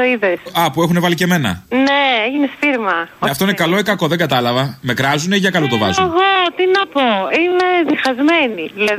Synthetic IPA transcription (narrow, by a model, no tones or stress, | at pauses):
oiðesɐpue̞xune̞vɐlice̞me̞nɐ̰neeʝinesfiɾmɐoɐft̪oinekɐlo̞ekɐko̞ðe̞ŋɡɐt̪ɐlɐvɐme̞kɾɐzuneiʝɐkɐlot̪o̞vɐ̰zeɣot̪inɐpoimeðixɐzmenilɐ